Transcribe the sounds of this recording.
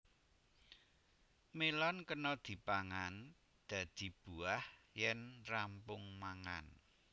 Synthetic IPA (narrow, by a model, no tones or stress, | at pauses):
melɔnkənɔd̪̥i̤paŋan | d̪̥ä̤d̪̥i̤b̥uahjɛnrampʊŋmaŋan